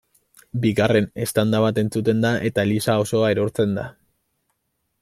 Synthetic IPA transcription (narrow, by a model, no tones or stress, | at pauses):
biɣare̞ne̞st̪and̪aβat̪e̞nt͡sut̪e̞nd̪aʔe̞t̪alisao̞so̞ae̞ɾo̞ɾt͡se̞nd̪a̰